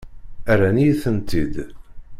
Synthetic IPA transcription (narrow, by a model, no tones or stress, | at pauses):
æɾænijθənt̪id̪